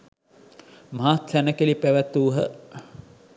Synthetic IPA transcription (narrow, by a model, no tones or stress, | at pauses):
maɦat̪sænəkilipæʋæt̪uːɦə